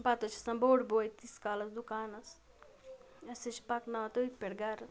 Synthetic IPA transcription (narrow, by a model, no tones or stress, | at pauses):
bat̪ot͡ʃʰi̥sɐmboːɽboːjt̪iskaːlɐsd̪ukaːnɐs | ɐsɐt͡ʃʰipɐknɐt̪uikʲpeɽɡaːɾɐs